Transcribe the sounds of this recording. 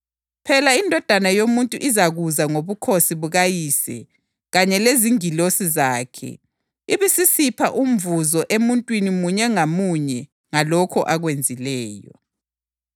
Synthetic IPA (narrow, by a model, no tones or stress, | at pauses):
pʰɛlaindʱɔd̥ʱanajomuntʼuʔizaɣuzaŋoβukʰosiβuɣajiːsɛ̰ | ɣaɲɛleziŋilosizaːkʰɛ̰ | iβisisipʰa̰ʔum̩vuzɔʔemuntʼwinimuɲɛŋamuɲɛ | ŋalɔkʰɔʔaɣwend͡zʱilɛːjɔ̰